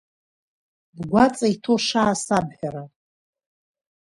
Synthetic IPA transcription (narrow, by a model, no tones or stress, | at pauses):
bɡʷat͡sʼaitʰoʂaːsabħᶣaɾa